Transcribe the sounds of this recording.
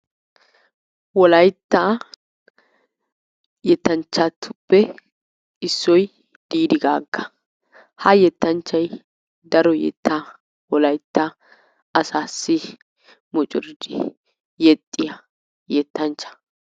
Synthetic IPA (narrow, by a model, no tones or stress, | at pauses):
wɔlɐjt̪ːa | jɛt̪ːɐnt͡ʃːat̪ʰːʊpːɛ | ɪsːɔj | d̪̥iːd̪ɪɡaːɡːɐ̥ | hɐjɛt̪ːɐnt͡ʃːɐj | d̪ɐɾɔjɛ̰t̪ːa | wɔlɐjt̪ːa | ɐsaːsːɪ | mʊt͡ʃʼɪɾd̪ɪ̰ | jɛt̪ʼːɪjɐ | jɛt̪ːɐnt͡ʃːɐ̥